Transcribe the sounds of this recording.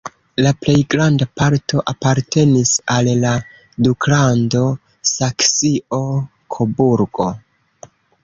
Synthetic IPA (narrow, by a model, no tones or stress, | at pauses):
laple̞jɡɾandapaɾtʰo̞ʔapaɾtʰe̞nisalːa | duklando̞ | saksio̞ | kʰobuɾɡo̞